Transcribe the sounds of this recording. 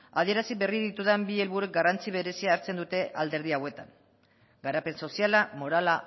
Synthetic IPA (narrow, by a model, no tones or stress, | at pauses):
aðie̞ɾasiβe̞riðit̪uðembie̞lβuɾek̚ɡarant͡siβ̞e̞ɾe̞siaːɾt͡se̞nd̪ut̪e̞ʔald̪e̞ɾð̞iawe̞t̪aŋ | ɡaɾape̞nso̞sialamo̞ɾala